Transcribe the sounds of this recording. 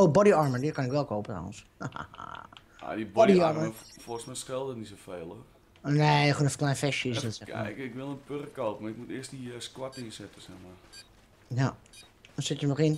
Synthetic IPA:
oːbɔdiɔɹmədikanɪkʋɛlˠkʰoːpətrɔ̰wə̰ns | a̰dibɔdiɔɹrməəfosmɛjskɪlˠdətnis̬ofeːlˠor | nexonəfklɛjnfɛʃjəɪsdɪtsɛɪkʋɪlˠənpørəkopmarɪk̚mutɪəstdiskwatinsɛtəsɛxmar | ja | ɔsɪtjənɔχɪn

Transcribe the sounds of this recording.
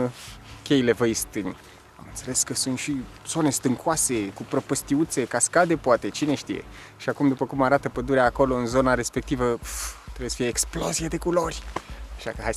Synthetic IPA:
kʲe̞jile̞vəjst̪ɨnʲ | a̰mɨnt̪se̞le̞skəsunt̪ʃi | z̥o̞ne̞st̪ɨŋkʰoase̞kupɾəpəst̪iut̪se̞kaskad̪e̞poat̪e̞t͡ʃine̞ʃt̪ḭje̞̰ | ʃiakumd̪upəkumaɾat̪əpəd̪uɾeaːkolo̞ɨnzo̞naɾe̞spe̞k̚t̪ivət̪ɾebejesə̥fijeeksplo̞zijad̪e̞kulo̞rʲaʃa̰kəaj

